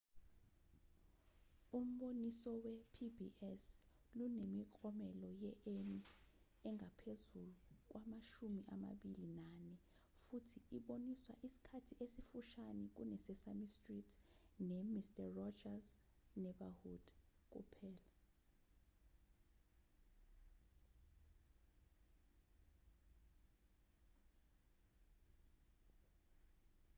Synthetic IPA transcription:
um̩ɓonisɔwɛpʰibiʔɛs | lunemikʼɔmɛlɔjɛʔeni | ɛŋʱapʰezuluk̬wamaʃumiʔama̰ɓilinanɛ | futʰiiɓoniswaʔisi̥kʰatʰiʔesifuʃanɛk̬ṵnɛsɛsamistritʰnɛmistʼarɔd͡ʒaznɛɓahud̥k̬ʼṵpʰɛːla

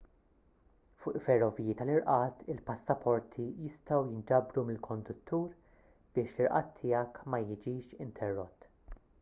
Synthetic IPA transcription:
fʊːʔfɛrːɔvijit̪ɐlɪɾʔɐːt̪ɪlpɐsːɐpʰɔɾt̪ʰijɪst̪ɐwjɪnd͡ʒɐbɾumɪlkʰɔnd̪ʊt̪ːuːɾ | b̥ɪːʃlɪɾʔɐːt̪ʰːɪːjɐkmɐjɪd͡ʒiːʃɪnt̪ʰɛrːɔt̪ː

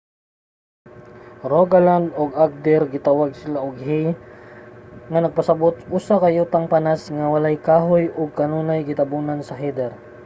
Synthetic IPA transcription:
ɾoɡaland̪oɡaɡ̚d̪ɛɾɡɪt̪awaɡ̚sɪlaʔoɡɦi | ŋɐnɐɡ̚pɐsɐbot̪̚ʔusakɐjuːt̪aŋpanasŋawɐlajkaːɦojʔʊɡ̚kɐnuːnajɡɪt̪ɐbunansɐɦɛd̪ɛɾ

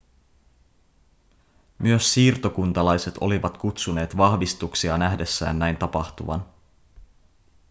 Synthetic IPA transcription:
myøsːiːrt̪o̞kunt̪ɑlɑjse̞t̪ʰo̞liʋɑt̪kut̪sune̞ːt̪ʋɑhʋist̪uksiɑnæɦde̞sːæ̰ːnːæjnt̪ɑpɑxt̪uʋɑ̰n

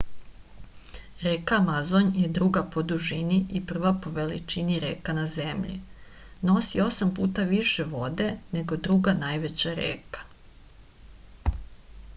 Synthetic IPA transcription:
ɾeːkaːmazoɲjed̪ɾuɡapod̪uʒiniipr̩ʋapo̞ʋelḭt͡ʃiniɾeːkanazemʎḭ | no̞sio̞sampuːt̪aʋiʃeʋo̞d̪e̞neɡo̞d̪ɾuɡanaːjʋet͡ɕaɾḛːkḁ

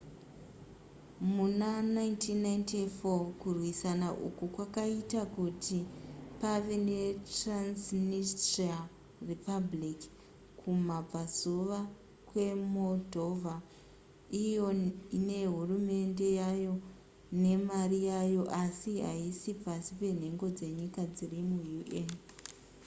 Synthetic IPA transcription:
munanaintinːajntifokurwisanaʔṵkukwakaitakutʰipaʋe̞ne̞transnistrial | ripablik | kʰumab͡vazuʋa | kwe̞mo̞dʱo̞vʱa | ijo̞ine̞ɦurume̞nde̞jajo̞ | ne̞marijajo̞ʔasiɦa̰isipasipe̞n̤e̞ŋɡo̞d͡ze̞ɲikad͡zirimujuʔen

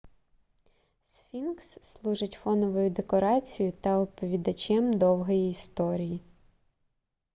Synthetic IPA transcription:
sfʲinksːlˠuʒɪtʲfɔnɔʋɔjʊd̪ekɔɾɑt͡sʲijʊt̪ɐʊpɔʋʲid̪ɐt͡ʃʲɛmd̪ɔwɦɔjiːst̪ɔɾʲiji

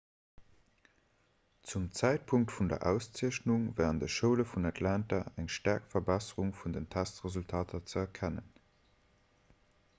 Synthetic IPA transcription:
t͡sumt͡sæɪt̚pʰuŋk̚tfundɐ̰ʔæʊst͡siɐɕnuŋvæːʁndəʃəʊləfunatʰlæntɐæŋʃtæɐkfɐbæsəʁuŋfundəntʰæstʁezultʰaːtʰɐt͡səɛɐkʰænə̰n

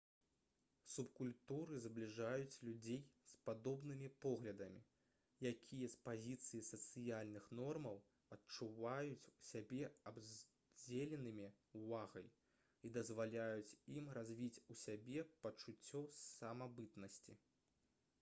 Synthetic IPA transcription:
supkulʲt̪uɾɨzblʲiʐajut͡sʲlʲud͡zʲejspad̪ɔbnɨmʲipɔɣlʲɐd̪ɐmʲi | jakʲʰijɐspazʲit̪sɨjisɐt̪sɨjalʲnɨxnɔrmɐw | ɐt̪̚t͡ʂuvajut͡sʲusʲabʲɛɐbz | d͡zʲelʲɛnɨmʲi | uvaɣɐj | id̪ɐzvalʲajut͡sʲimrazʲvʲit͡sʲusʲabʲɛpɐt͡ʂut͡sʲːɔsɐmabɨt̪nɐsʲt͡sʲḭ

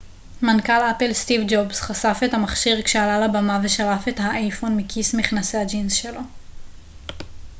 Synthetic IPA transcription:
mankalapelstivd͡ʒobsχasafetamaχʃiʁkʃealalabamaveʃaʁafe̞thaʔajfonmikʰismiχnasead͡ʒinzʃelo̞

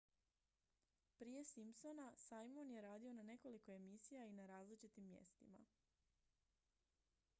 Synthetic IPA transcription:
pɾiːje̞simpso̞nasajmonje̞ɾaːd̪io̞nane̞ko̞liko̞e̞misijainaɾaːzlit͡ʃit̪imːjḛst̪ima̰

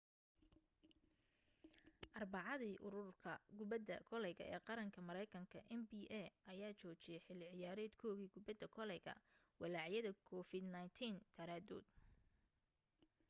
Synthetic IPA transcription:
ʔɑrbɑʕɑðiːʔʊɾʊrkʰɐɡʊbɐd̪ɐkʰɔlɛjɣɐ̰ʔɛ̰ːqɑɾɐŋkʰɐmɐɾɛjkʰɐŋkʰɐʔɛnbiːʔɛʔɐjaːt͡ʃɔːt͡ʃɪjɛħɪlɪʕɪjaːɾɛːd̪kʰɔːɣiːɡʊbɐd̪ɐkʰɔlɛjɣɐ̰ | wɑlaːʕjɐðɐkʰɔfɪd̪najnt̪ʰiːnt̪ʰɐɾaːd̪ɔ̰ːd̪

